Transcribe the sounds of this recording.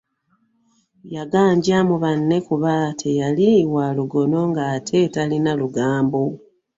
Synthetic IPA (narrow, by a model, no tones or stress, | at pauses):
jaɡaːɲɟamuβanːe̞kuβatʰe̞jaliwaluɡo̞no̞ŋɡaːtʰe̞talinaluɡaːmbo